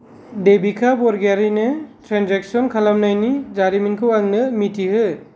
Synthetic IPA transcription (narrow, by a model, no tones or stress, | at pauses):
debikʰabɔɾɡaɾinɯtʰɾanzek̚sɔnkʰalamnajnid͡ʒaɾiminkʰɯwaŋnɯmitʰihɯ